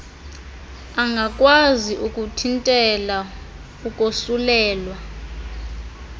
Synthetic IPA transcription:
aŋɡʱakʼwaziʔukʼutʰintʼɛla | ukʼosulɛːlwa

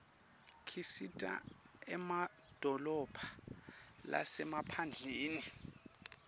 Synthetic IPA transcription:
kʰisitʼa̰ | ɛma | d̥ʱɔlɔb̥ʰʱa | la̰sɛmapʰand͡ɮʱeːni

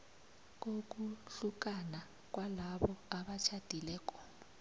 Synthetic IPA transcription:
k̬ok̬ʼuɬuk̬ʼana | k̬ʼwalaɓɔaɓat͡ʃʰad̥ʱilɛːk̬ʼɔ̥

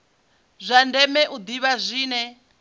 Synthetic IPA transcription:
zʷandɛmɛʔud̪iβazʷiːnɛ

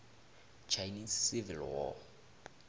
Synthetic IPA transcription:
t͡ʃʰajnissivilwɔ̰

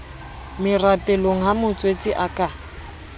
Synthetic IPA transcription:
mɪrapʼɛloŋ̩ɦamʊt͡sʼwet͡sʼɪʔakʼa

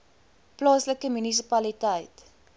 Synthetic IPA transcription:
plɑːsləkəmynis̬ipɐlitəjt

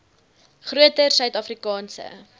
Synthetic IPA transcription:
χruətərsœɥtɑfrikɑːnsə̰

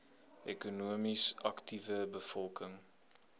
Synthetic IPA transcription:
ʔɛkunuəmisɐktivəbəfɔlˠkəŋ

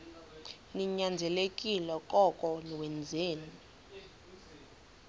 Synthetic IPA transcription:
niɲand͡zʱɛlekʼilɔkʼɔkʼɔliwɛnd͡zʱeːni

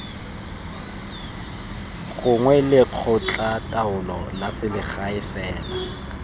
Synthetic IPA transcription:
ɣʊŋwɛlɪq͡χʰʊt͡ɬʼatʼaʊlɔ̰lasɪlɪχaɪfɛːla

